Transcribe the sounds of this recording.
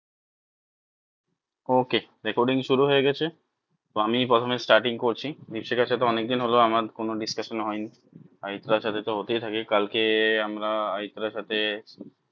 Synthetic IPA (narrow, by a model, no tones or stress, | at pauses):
okeɾekoɾɖiŋʃuɾuɦoeɡɛt͡ɕʰe | t̪oamipɾɔt̪ʰomesʈaɾʈiŋkoɾt͡ɕʰid̪ipʃekaʃat̪ʰeɔnek̚d̪inɦoloamaɾkonoɖiskaʃonɦɔjni | ait̪ɾaɾʃat̪ʰet̪oɦot̪ejt̪ʰakekalkeamɾaajt̪ɾaɾʃat̪ʰe